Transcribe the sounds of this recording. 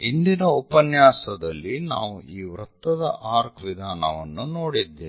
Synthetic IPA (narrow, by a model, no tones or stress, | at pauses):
ind̪inɐupɐnjaːsɐd̪ɐlːina̰ːʋuiːʋɾɐt̪ːɐd̪ɐʔaːɾkʋid̪ʱaːnɐ̰ʋɐ̰nːunoːɽid̪ːeː